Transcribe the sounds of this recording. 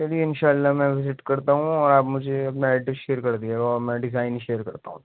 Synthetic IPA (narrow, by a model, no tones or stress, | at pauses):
ɛliɪnʃaːəlːaːmɛ̃ːʋɪzɪʈkɐɾt̪aːɦũɔːɾaːbmʊd͡ʒʱeɐpnaɛːʈəʃeːɾkɐɾd̪iɛːɡaɔːɾmɛ̃ːɖɪzaːɪnʃeːɾkɐɾt̪aːũː